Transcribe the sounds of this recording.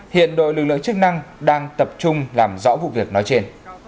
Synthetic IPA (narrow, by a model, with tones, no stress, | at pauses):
hḭ˧˨ənɗo̰˧˨jlɨ˨˩k̚lɨ̰˧˨əŋt͡ɕɨ˦˥k̚na˧ŋɗaː˧ŋt̪ə˨˩p̚t͡ɕʊ˧ŋ͡mlaː˨˩mzɔ̰˧˥vṵ˧˨vi˨˩ək̚nɔ˨˦jt͡ɕe˧n